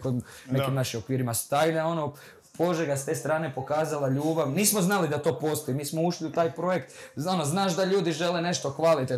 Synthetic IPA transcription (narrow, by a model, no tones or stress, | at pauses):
kod̪ | nekimnaʃimo̞kʋiːɾimast̪ajnao̞no | po̞ʒeɡast̪e̞ːst̪ɾaːne̞po̞kaːzalaʎuːbaʋniːsmoznalid̪at̪o̞ːpo̞st̪ojimiːsmo̞uʃliut̪aːjpɾo̞jekt̪o̞noznaːʃd̪aʎuːd̪iʒe̞lene̞ʃt̪o̞xʋalit̪e